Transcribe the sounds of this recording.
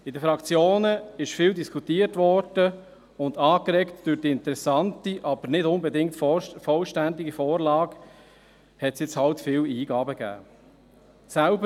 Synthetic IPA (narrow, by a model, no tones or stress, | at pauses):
ɪdəfɾɑkt͡sjoːnəɪʃfɪːldiskʰutiətʋɔrd̥ə | ʊndɑːkɾɛktd̥øɾd̥iɪnt̪əɾɛsɑntiʔɑb̥əɾnɪdʊnbɛdɪŋtfɔlʃtændiɡifoːrlɑːɡ | hɛtsjɪt͡shɑltfɪːwiːɡɑːbəɡ̥æ̰ː | sælbə